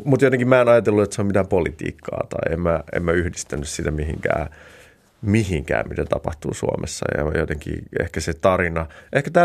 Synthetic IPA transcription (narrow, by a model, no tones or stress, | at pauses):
mut̪jot̪eŋkimæenɑjɑt̪elːuet̪seomit̪æːmpolit̪ḭːkːɑ̰ːt̪ɑiemmæḛmmæyhdist̪ænːyssit̪æmiɦḭŋkæː | miɦiŋkæ̰ːmit̪æt̪ɑpɑht̪uːsuo̰mʔḛsːɑ̰jɑ̰jot̪eŋkḭːḛhkæset̪ɑrinɑʔehkæt̪æː